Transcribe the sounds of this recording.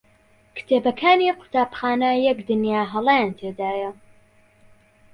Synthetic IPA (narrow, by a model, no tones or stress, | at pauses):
kt̪ʰebɐkʰaːniqʰʊ̥t̪ʰaːbxaːnɐjɛkd̪ɨnjaːɦɐlˠajant̪ʰed̪aːjɐ